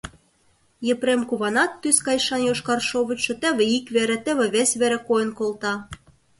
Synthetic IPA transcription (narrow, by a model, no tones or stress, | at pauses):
jĕpɾemkuβɑnɑt̪ːyskɑjʃɑnjoʃkɑrʃoβə̆t͡ɕʃɤ̆t̪ɘ̆βĕikβeɾĕt̪ɘ̆βĕβesβeɾĕkojɤ̆nkolt̪ɑ